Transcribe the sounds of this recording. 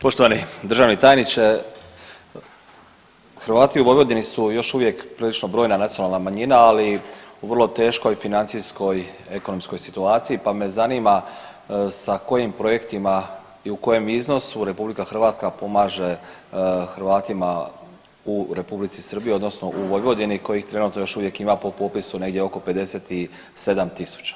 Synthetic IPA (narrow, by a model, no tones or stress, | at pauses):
po̞ʃt̪o̞ʋanid̪ɾ̩ʒaːʋnit̪aːjenit͡ʃe | xɾʋaːt̪iuʋojʋod̪inisujo̞ʃuʋje̞kpɾiːlit͡ʃno̞bɾo̞ːjnanat̪ionalˠnamaɲinaaliuʋrlˠo̞t̪e̞ːʃko̞jfinant̪sijsko̞je̞ko̞no̞msko̞jsit̪uaːt̪sijipame̞zanima | sako̞jimpɾo̞je̞kt̪ima | iuko̞je̞mizno̞suɾe̞publikaxr̩ʋaːt̪skapo̞maːʒe̞ | xɾ̩ʋaːt̪ima | uɾe̞publit̪sisr̩bijio̞d̪no̞sno̞ʔuʋo̞jʋo̞d̪iniko̞jixt̪ɾe̞nuːt̪nojo̞ʃuʋje̞kimapo̞po̞pisune̞ɡ̪jeo̞ko̞pe̞d̪e̞seːt̪i | se̞d̪amt̪isu̥t͡ɕḁ